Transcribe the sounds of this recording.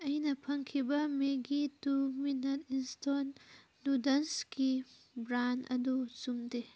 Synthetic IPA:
ɐjnɐpʰɐŋkʰibɐmeɡituminɐtinstonː | udɐnski | bɾandɐ̰dusumde

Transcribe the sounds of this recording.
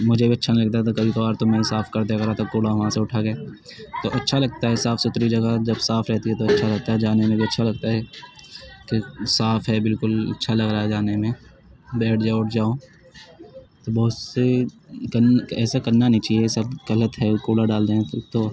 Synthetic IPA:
mʊd͡ʒʱebiɐtːʃʰanlɐɡ̚t̪̬aɛt̪okɐbikɔːɾt̪omɛ̃saːfʰkɐɾd̪eɐɡɐɾãt̪ɐkːoːlaɦɦãseʊʈʰaɡeː | t̪oʔɐtːʃʰalɐɡ̚t̪aɦɛsaːfsʊt̪ɾid͡ʒɐɡad͡ʒɐbsaːfʰɾɛɦt̪iɦɛt̪oɐtːʃʰalɐɡ̚t̪aɦɛd͡ʒaːnemẽbiɐtːʃʰalɐɡt̪aɦɛ | kesaːfɦɛbɪlkʊlɐ̰tːʃʰalɐɡɾaːaɛd͡ʒaːnemẽ | bɛːʈʰd͡ʒaːʊʈʰd͡ʒaːo | t̪obɐɦʊt̪sekɐnɛːsakɐnːanɐɦĩt͡ʃaːɦiesɐbɡɐlət̪ɦɛkoːlaɖaːld̪eɦɛ̃t̪o

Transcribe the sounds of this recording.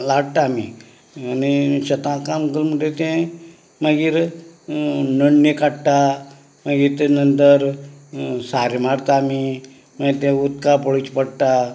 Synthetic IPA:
laɽt̪aːmḭ | anit͡ɕət̪ãkamkəlm̤əʈet̪ɛ̃ | məɡiːɾ | nəɳnəkaʈʈa | maɡiɾt̪enənt̪əɾ | saɾmaɽt̪aːmi | məɡit̪ɛ̃ut̪̚kapoɭit͡ɕpəɽt̪a

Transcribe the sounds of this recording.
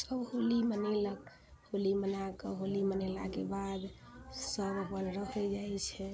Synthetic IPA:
səbhulimənelək | hulimənakəɦolimənelakebad̪ | səbbəlɾəɦɛd͡ʒaɛt͡ʃʰɛ

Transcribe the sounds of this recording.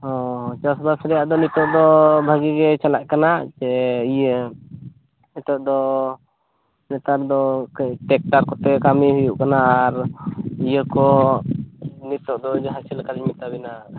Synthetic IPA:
ɔt͡ʃasbasɾɛjaʔd̪ɔnit̪ɔʔd̪ɔbʱaɡiɡɛt͡ʃalaʔkanaʔt͡ʃɛijə | nit̪ɔʔd̪ɔ | nɛt̪aɾd̪ɔʈɛk̚ʈaɾkɔt̪ɛkamiɦujuʔkanaʔːɾijəkɔ | nit̪ɔʔd̪ɔd͡ʒɦasilkaɾmit̪abɛnaʔ

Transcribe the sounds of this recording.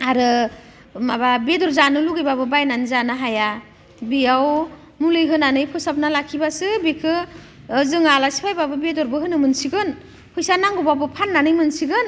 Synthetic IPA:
aɾɯ | mababedɔɾzanɯluɡɯjbabɯbajnanzanaɦaja | bijaw | mulɯjɦɯnanɯjpʰɯsap̚nalakʰibasɯbekʰɯː | zɯŋalasi̥pʰajbabɯbedɔɾbɯɦɯnɯmɯnsiɡɯn | hʰɯjsanaŋɡɔbabɯpʰanːanɯjmɯnsiɡɯn

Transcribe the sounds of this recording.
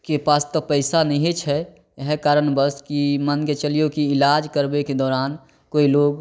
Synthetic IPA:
kepaːst̪ɔpəɪsanəɦet͡ʃʰɛ | ɦɛkaːɾənbəskimənket͡ʃəlijokiɪlaːd͡ʒkəɾbeked̪ɔːɾaːn | koːiloːɡ

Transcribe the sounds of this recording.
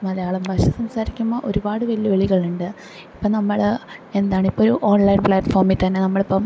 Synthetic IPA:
mɐlɐjaːɭumbʱɐɕɐsɐmsaːɾikʲːumːɐʔo̞̰ɾubaːɽɨʋɐlijɐʋeɭiɣɐɭuɳɖɨ | ipːoːnɐmːɐɭe̞nd̪aːɳipːoːoɾuʔo̞ːnlɐjnpɭaːʈfo̞ːrmit̪ːt̪ɐnːenɐmːɐɭipːɐm

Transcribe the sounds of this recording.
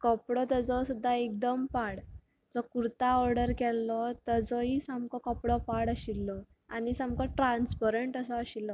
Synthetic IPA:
kɔpɽɔt̪əd͡zɔsud̪ʱːaek̚d̪əmpaɽ | d͡zɔkuɾt̪aɔɾɖəɾkɛlːɔt̪əd͡zɔɦisamkɔkɔpɽɔpaɽəɕilːɔ | anisamkɔʈɾãnspəɾeɳʈəsɔaɕilːɔ

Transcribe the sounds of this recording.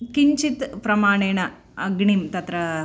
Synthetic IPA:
kiɲt͡ʃit̪pɾɐmaːɳeːɳɐ | ɐɡɳimt̪ɐt̪ɾɐ

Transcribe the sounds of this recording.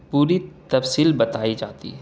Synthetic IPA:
puːɾit̪ɐfsiːlbɐt̪aːid͡ʒaːt̪ḭɦɛ

